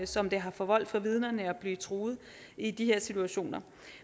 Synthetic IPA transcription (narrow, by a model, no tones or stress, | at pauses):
sɒ̽md̥e̝ɦɑ̈fɒ̽ʋɒl̰d̥fɑ̈ʋið̞ˠnɐnəæb̥liːt͡sʰʁoːð̩ˠ | id̥iɦe̝ɐ̰sit͡sʰuæɕo̝̰ːnɐ